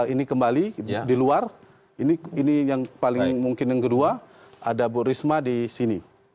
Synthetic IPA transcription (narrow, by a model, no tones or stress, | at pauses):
inikəmbalidiluar | iniinijaŋpalɪŋmuŋkɪnjaŋkədua | adaburismadisini